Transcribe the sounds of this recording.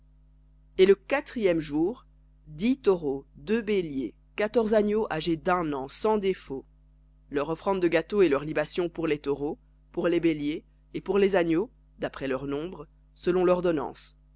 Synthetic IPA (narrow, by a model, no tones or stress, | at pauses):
eləkat̪χijɛmʒuːʁ | d̪it̪ɔʁod̪øbelje | kat̪ɔʁzanjoʔaʒed̪ɛ̃nɑ̃sɑ̃d̪efo | lœʁɔfχɑ̃d̪ːəɡat̪oelœʁlibasjɔ̃puʁlet̪ɔʁo | puʁlebeljeː | puʁlezaɲjo | d̪apχɛlœʁnɔ̃bʁ | səlɔ̃lɔʁd̪ɔnɑ̰̃s